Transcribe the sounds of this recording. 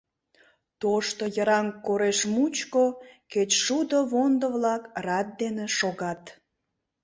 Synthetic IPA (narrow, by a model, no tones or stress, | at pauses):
t̪oʃt̪ojəɾɑŋkoɾeʃmut͡ɕkoket͡ɕʃud̪oβond̪əβlɑkrɑt̪̚d̪eneʃoɣɑt̪